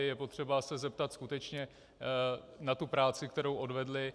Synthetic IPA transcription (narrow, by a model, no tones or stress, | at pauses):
jɛpo̞t̪r̥ɛbasɛzɛp̚t̪at̪skut̪ɛt͡ʃɲɛ | nat̪upɾaːt͡sɪkt̪ɛɾowʔo̞dvɛdlɪ